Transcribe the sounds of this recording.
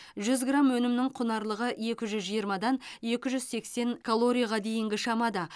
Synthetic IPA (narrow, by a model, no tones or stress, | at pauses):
ʒʏzɡramwɵnɪmnɪŋqʰʊnɑɾlˠəʁəje̞kʲɪʒʏzʒijəɾmɑd̪ɑnje̞kʲɪʒʏzse̞kse̞ŋkʰolˠo̞ɾʲijaʁɑd̪e̞jɪŋɡʲɪʃɑmɑd̪ɑ